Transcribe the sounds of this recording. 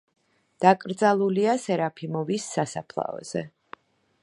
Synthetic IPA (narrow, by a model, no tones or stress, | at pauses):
d̪̥akʼɾd̪zalˠuliasɛɾapʰimɔvisːasapʰlˠa̰ɔ̰z̥ɛ